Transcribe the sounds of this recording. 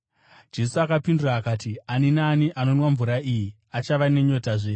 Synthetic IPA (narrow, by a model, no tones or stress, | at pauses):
d͡ʒe̞suakapinduraːkaːtianinaːniʔano̞nwaɱvuɾaʔiːji | at͡ʃaʋane̞ɲo̞taʐeː